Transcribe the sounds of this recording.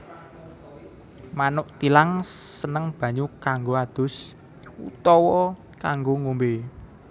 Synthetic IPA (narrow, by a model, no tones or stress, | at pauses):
manʊʔt̪ilaŋsənəŋb̥ä̤ɲukaŋɡoad̪̥ʊ̤s | ṵt̪ɔwɔ | kaŋɡoŋombe